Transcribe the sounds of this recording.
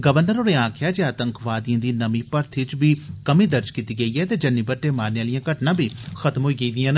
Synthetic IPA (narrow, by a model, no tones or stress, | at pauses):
ɡəʋəɾnəɾoːneːãːkʰɪjaːd͡ʒeːaːt̪əŋkʰʋaːd̪ijãːd̪iːnəmĩːpəɾt̪ʰɪt͡ʃbʱiːkəmĩːd̪əɾd͡ʒkiːt̪iːɡəiːɛːt̪eːd͡ʒənːiːbəʈːeːmaːɾnejaːlɪjãːkəʈnãːbʱiːxət̪mɦoːiːɡəiːd̪ɪjãːn